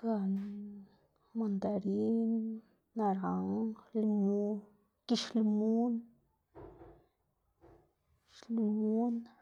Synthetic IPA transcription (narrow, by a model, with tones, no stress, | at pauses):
ka˧n | ma˧nd̪a˨ɾi˦n | na˧ɾa˨ŋlmu˦ | ki˧ʃlmu˦n | ʃlumu˦n